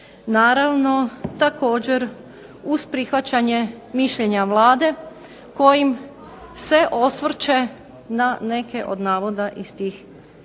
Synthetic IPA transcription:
naːɾaʋno̞t̪ako̞ːd͡ʑe̞ɾ | uz̥pɾixʋat͡ɕaɲe̞ | miʃʎeɲaʋlˠaːd̪e̞ | ko̞jim | se̞ʔo̞sʋr̩t͡ɕe̞ | nane̞ke̞ʔo̞̰d̪naːʋo̞d̪aʔist̪iːx

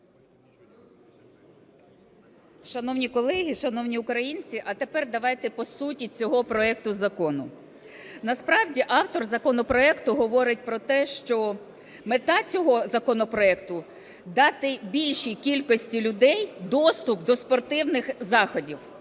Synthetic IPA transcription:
ʃɐnɔwnʲikɔlˠɛɦʲiʃɐnɔwnʲiʊkɾɐjinʲt͡sʲiʔɐt̪epɛrd̪ɐʋɑjt̪ɛpɔsutʲit͡sʲɔɦɔpɾɔɛk̚t̪ʊzɐkɔnʊ | nɐspɾɑwdʲiʔɑwt̪ɔrzɐkɔnɔpɾɔɛkt̪ʊɦɔʋɔɾɪtʲpɾɔt̪ɛʃt͡ʃɔ | met̪ɑt͡sʲɔɦɔzɐkɔnɔpɾɔɛkt̪ʊ | d̪ɑt̪ɪbʲilʲʃijkʲilʲkɔsʲtʲilʲʊd̪ɛjd̪ɔst̪ʊpd̪ɔspɔrt̪ɪwnɪxzɑxɔdʲiw

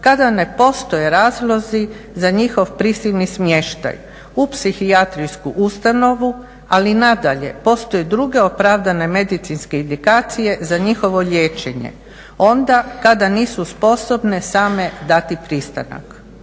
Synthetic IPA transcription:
kad̪ane̞po̞st̪o̞jeɾaːzlˠo̞zizaɲixo̞ʋpɾisilnismjeʃt̪a̰j | upsixiat̪ɾiskuʔust̪ano̞ʋu | alinad̪aʎe̞̰po̞st̪ojed̪ɾuɡe̞opɾaʋd̪ane̞me̞d̪it̪sinske̞ind̪ikaːt̪sije̞zaɲixo̞ʋo̞ʎe̞ːt͡ʃe̞ɲe̞̰ | o̞nd̪akad̪aniːsuspo̞so̞bne̞saːme̞d̪at̪ipɾist̪a̰na̰k

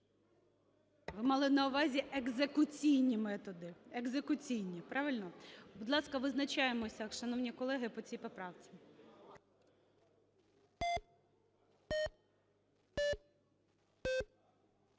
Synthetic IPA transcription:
ʋɪmɑlˠɪnɐʊʋɑzʲiʔeɡzekʊt͡sʲijnʲimɛt̪ɔd̪ɪeɡzekʊt͡sʲijnʲipɾɑʋɪlʲnɔbʊd̪lˠɑskɐʋɪznɐt͡ʃajemɔsʲɐʃɐnɔwnʲikɔlˠɛɦɪpɔt͡sʲijpɔpɾɑwt͡s̪ʲɪ̥

